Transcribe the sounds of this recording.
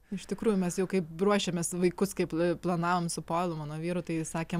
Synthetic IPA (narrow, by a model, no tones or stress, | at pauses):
ɪʃt̪ʲɪkɾuːjʊmʲɛsjɛʊkɐɪpbɾuɔʃʲemʲesʋɐɪkʊskɐɪpplˠɐnɑːʋoːmsʊpoːɪlˠʊmɑːnoːʋʲiːɾʊt̪ɐɪsɑːkʲeːm